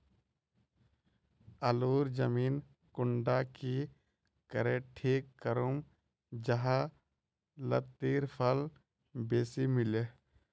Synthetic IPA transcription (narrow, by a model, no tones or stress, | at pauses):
əluːɾd͡ʒəmiːn | kʊɳɖaki | kəɾeːʈʰeːkːəɾum | d͡ʒɐɦa | lət̪ːiːɾpʰəl | beːsimɪle